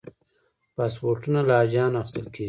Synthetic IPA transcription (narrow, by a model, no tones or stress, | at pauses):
pɑspoɾʈunalaːd͡ʒɑːnaxɪ̥st̪əlkʰe